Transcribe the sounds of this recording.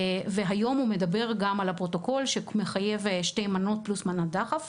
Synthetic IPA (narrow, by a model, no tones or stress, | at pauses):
veɦajo̞mhume̞dabe̞ʁɡamalhapʁo̞to̞ko̞lʃeme̞χaje̞vʃte̞jmano̞t̚plusmanadaχaf